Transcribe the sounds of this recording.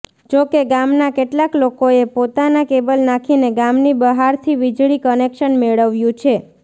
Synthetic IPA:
d͡ʒokeɡamnakeʈlaklokoepot̪anakebəlnakʰineɡamnibəɦaɾt̪ʰiʋid͡ʒɭikənekʃənmeɭəʋjũt͡ʃʰe

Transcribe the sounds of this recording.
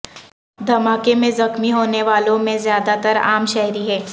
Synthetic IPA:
d̪ʱɐmaːkemẽzɐxmiɦoːneʋaːlõmẽzjaːd̪at̪əɾa̰ːmʃɛɦɾiɦɛː

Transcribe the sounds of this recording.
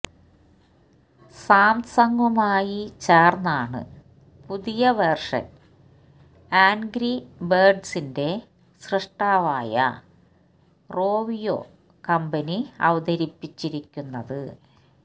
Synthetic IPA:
saːmsɐŋɡɐmaːjit͡ɕeːrnːaːɳɨ̰ | puðijɐʋerʂɐ̰n | aːnɡɾiberɖsinde̞ | sreʂʈaːʋaːjɐ̰ | ro̞ːʋijo̰ | kɐmbɐniɐ̰ʋɐd̪ɐɾipːit͡ɕːiɾikʲːunːɐðɨ

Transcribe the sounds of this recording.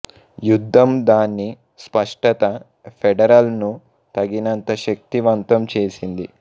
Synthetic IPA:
jud̪ʱːɐmd̪aːnːi | spɐʂʈɐt̪ɐ | pʰɛɖɐɾɐlnu | t̪ɐɡinɐnt̪ɐʃɐk̚t̪iʋɐnt̪ɐmt͡ʃe̞ːsind̪i

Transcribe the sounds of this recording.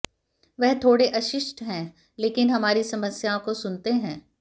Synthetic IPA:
ʋɛɦt̪ʰoːɽeʔɐʃɪʃʈɦɛ̃ː | leːkɪnɦɐmaːɾisɐməsjaõkosʊnt̪eɦɛ̃ː

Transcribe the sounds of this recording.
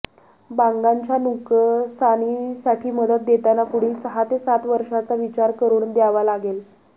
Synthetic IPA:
baŋɡaɲt͡ɕanukəsañisaʈʰiːməd̪ət̪̚d̪et̪anapuɽ̤iːlsəɦat̪esat̪ʋəɾʂat͡saʋit͡ɕaɾkəɾuːnd̪jaʋalaɡel

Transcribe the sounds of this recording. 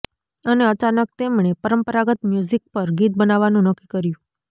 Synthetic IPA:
əneət͡ʃanək̚t̪emɳ̃epəɾəmpəɾaɡət̪mjuzik̚pəɾɡit̪̚bənaʋanũnəkːikəɾjũ

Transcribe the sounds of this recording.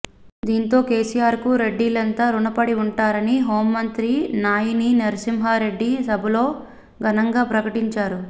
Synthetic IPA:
d̪iːnt̪o̞ːke̞ːsijaːɾkuɾe̞ɖːiːlɐnt̪aːɾuɳɐpɐɽiuɳʈaːɾɐniɦo̞ːmːɐnt̪ɾinaːjininɐɾɐsimɦaːɾe̞ɖːisɐbʱɐlo̞ː | ɡʱɐnɐŋɡaːpɾɐkɐʈiɲt͡ʃaːɾu

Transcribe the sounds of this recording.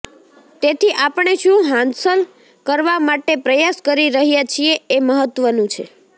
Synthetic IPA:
t̪et̪ʰiʔapəɳ̃eʃũɦãnd̪səl | kəɾʋamaʈepɾəjaskəɾiɾəɦijat͡ʃʰieeməɦət̪ʋənũt͡ʃʰe

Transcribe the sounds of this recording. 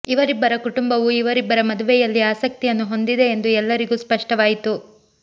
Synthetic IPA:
iʋɐɾibːɐɾɐkuʈumbɐʋuiʋɐɾibːɐɾɐmɐd̪uʋɛjɐlːiaːsɐk̚t̪ijɐnːuɦo̞nd̪id̪e̞ːnd̪uɛlːɐɾiɡuːspɐʂʈɐʋaːjit̪u

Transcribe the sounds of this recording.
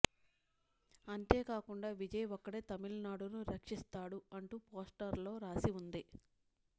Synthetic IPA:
ɐnt̪e̞ːkaːkuɳɖaːʋid͡ʒɐjʋɔkːɐɽeːt̪ɐmilɐnaːɽunuɾɐkʂist̪aːɽuɐɳʈuːpoːsʈɐɾlo̞ːɾaːsiund̪i

